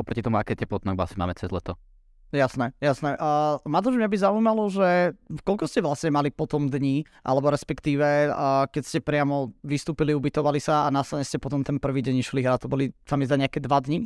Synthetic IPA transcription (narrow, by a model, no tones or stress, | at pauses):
ɔpɾɔcit̪ɔmuakɛcɛpɔt̪̚naɡbasima̰ːmɛt͡sɛzlɛt̪ɔ | jasnɛjasnɛʔmat̪̬ɔʒɛmɲabizaujmalɔʒɛfkɔlkɔscɛʋlasɲɛmalipɔt̪ɔmd̪ɲiː | ʔa̰lɛbɔɾɛspɛkt̪iːʋɛkɛcscɛpɾɪamɔʋist̪uːpiliubit̪ɔʋalisaanaslɛɲɛscɛpɔt̪ɔmt̪ɛnpr̩ʋiːɟɛɲiʃliɦɾat̪ɔbɔlit̪amjɛzaɲɛakɛd̪ʋad̪ɲi